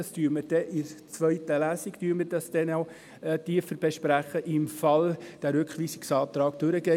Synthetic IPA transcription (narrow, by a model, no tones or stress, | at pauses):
ɑstyːɾməd̥ɛʔɪɾt͡sʋœjtəlæːsiktyːɾmədɑsd̥̪ɛnoʊ | tiːfəɾb̥eʃpɾæχəʔɪmfɑld̥æɾɵkχʋiːsiksɑːt̪ɾɑːɡd̥ɵɾəɡɛ